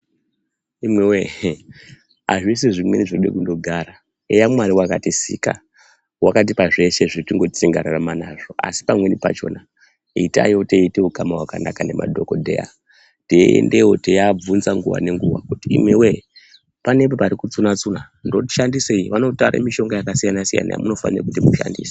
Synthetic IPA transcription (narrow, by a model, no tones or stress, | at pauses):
imwewe | aʐis̬eʐimweniʐoɗḛkundo̞ɡʱaɾa | ejamwaɾiwakatisika̰ | wakat̬ipaʐe̞ʃe̞ʐitiŋɡo̞t͡siŋɡa̰ɾaramanaʐo̞a̰si̥pamwe̞nipa̰t͡ʃo̞̰na | ita̰joteiteukamaɦwakanakane̞ma̰dʱo̞ko̞dʱḛja̰ | deḛndewotejab͡vunzaŋɡuwa̰ne̞ŋɡuwa̰kutiḭmwewe | panepopaɾikut͡sunat͡suna | ndoti̥ʃandiseiʋano̞tauɾa̰miʃo̞ŋɡajakasijanasija̰na̰ja̰muno̞fa̰nirakutimuʃa̰ndḭːse̥